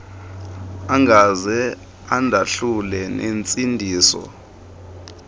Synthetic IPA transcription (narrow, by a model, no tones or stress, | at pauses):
aŋɡʱazɛ | andʱaɬulɛnʔent͡sʼindʱiːsɔ̰